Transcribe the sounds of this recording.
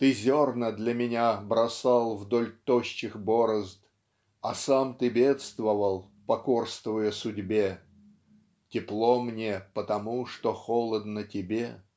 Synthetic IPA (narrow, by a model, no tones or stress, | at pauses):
t̪ɨzʲornəd̪lʲəmʲɪnʲabɾɐsɑlˠvd̪olʲt̪oɕːɪxboɾəzt̪ | ɐsamt̪ɨbʲet̪st̪vəvəlˠ | pɐkorst̪vəjəsʊdʲbʲe | tʲɪplˠomnʲepət̪ɐmuʂt̪oxolˠəd̪nətʲɪbʲe